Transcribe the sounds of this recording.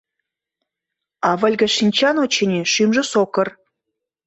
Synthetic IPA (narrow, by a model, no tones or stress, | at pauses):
ɑvəlʲɡə̆ʃinʲt͡ɕɑnot͡ɕenʲeʃymʒə̆sokə̆r